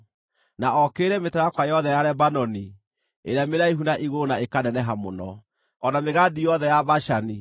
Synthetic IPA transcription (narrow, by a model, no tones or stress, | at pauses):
naɔkeːɾɛmetajakwajɔðɛjaɾɛbanɔni | eɾeameɾaiɦunaʔiɣonaekanɛnɛɦamo̰nɔ | ɔnameɣadijɔðɛjabaʃani